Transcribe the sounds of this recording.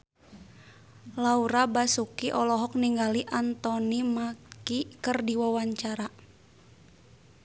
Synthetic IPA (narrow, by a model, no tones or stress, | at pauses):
lauɾabasukiʔɔlɔɦɔk̚niŋɡaliʔant̪ɔnimakikərdiwawaɲt͡ʃaɾa